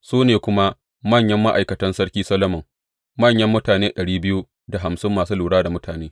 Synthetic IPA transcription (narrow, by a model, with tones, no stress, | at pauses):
suː˦neː˨kʷʊ˦ma˦ | mɐ˦˨ɲjɐ˦mːa˦ʔa˨jkɐ˨tɐ˦nsɐ˦ɽkʲiː˦sɐ˦lɐ˦mɐ˨ŋ | mɐ˦˨ɲjɐ˦mːʊ˦taː˨neː˦ɗɐ˨ɽiː˦bɪ˦ju˦ | da˨ɦa˨msɪ˦mːaː˨suː˦luː˨ɽaː˦da˨mʊ˦tʰaː˨neː˦